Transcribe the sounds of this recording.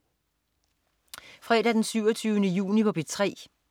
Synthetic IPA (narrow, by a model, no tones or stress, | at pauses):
fʁɛ̰ːɾ̥æd̥ensyʊɒt͡sʰyːʊnəjṵːnipʰɒ̽b̥e̝d̥̚t͡sʰʁɛ̰ː